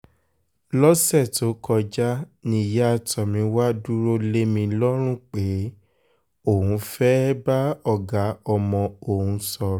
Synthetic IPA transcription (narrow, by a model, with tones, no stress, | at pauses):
lɔ˦sɛ˦˨to˨˦kɔ˧d͡ʒa˦nĩ˧ja˦a˨tɔ˨mĩ˨˧˦wa˦du˦ɾo˦le˦mĩ˧lɔ˦ɾ̃ũ˦k͡pe˨˦ | o˦˨ɦũ˧˦fɛ˦ba˦ɔ˦˨ɡa˨˦ɔ˧mɔ̃˧o˨ɦũ˧sɔ˧ɾ